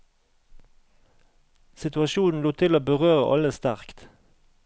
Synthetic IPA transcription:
sɪt̪ʉɑʃuːnn̩luːt̪ʰɪloːbəʁøːʁəʔɑ̰ləst̪æʁkt̪

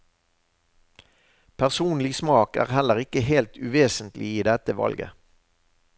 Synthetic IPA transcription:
pʰæʁsuːnlɪsmɑːkæ̰ːʁhɛləʁɪkəɦeːlt̪ʉʋeːsənt̪lʔɪiːd̪ɛt̪əʋɑ̰lɡə̰

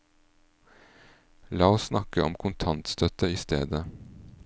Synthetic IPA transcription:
lɑːoːssnɑkəɔ̰mkʰʊnt̪ʰɑnt̪st̪œt̪əiːst̪ḛːd̪ə

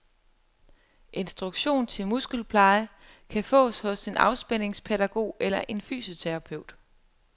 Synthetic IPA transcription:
ʔe̝nsd̥ʁuɡ̥ɕo̝̰ːnt͡sʰe̝lmusɡ̥əl̩pʰlɑ̈ɪə | kʰæfɔ̰̽ːshɔ̽se̝nɑ̈ʊsb̥en̰e̝ŋspʰeɾæɡ̥o̝̰ːelɐʔe̝nfy̰ːso̝t͡sʰeʁɑ̈pʰeʊ̰d̥

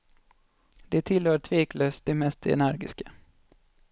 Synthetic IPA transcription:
d̪ɛt̪ʰɪlhœːt̪ʰveːkløːst̪̚d̪ɛmɛst̪ɛ̰næɾɡɪ̰skḁ

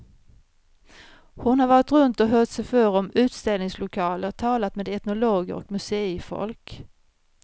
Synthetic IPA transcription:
hʊnhaɾvɑːɾɪt̪ɾɵnt̪ɔɦœːʈsɛjfœɾɔmʉ̟ːt̪st̪ɛlnɪŋslʊkʰɑːləɾt̪ʰɑːlat̪meːd̪ɛt̪nʊloːɡə̰ɾɔ̰kmɵseːfɔ̰lk

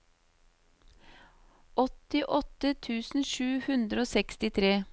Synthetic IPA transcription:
ʔɔt̪ɪʔɔt̪ət̪ʰʉːsn̩ʃʉːhʉnd̪ɾəoːsɛkst̪ɪt̪ʰɾeː

